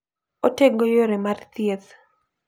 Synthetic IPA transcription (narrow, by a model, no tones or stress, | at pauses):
oteɡojoɾemart̪jet̪